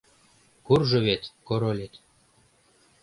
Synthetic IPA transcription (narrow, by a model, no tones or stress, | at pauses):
kurʒɤ̆βet̪koɾolʲet̪